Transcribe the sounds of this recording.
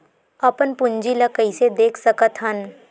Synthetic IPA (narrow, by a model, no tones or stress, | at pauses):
ɐpənpʊ̃ɲd͡ʒiləkəised̪eːkʰsəkət̪ɦən